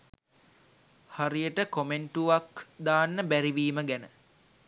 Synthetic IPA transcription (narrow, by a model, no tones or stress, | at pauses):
haɾijəʈəkomeɳʈuʋakd̪aːnːəbæɾiʋiːməɡænə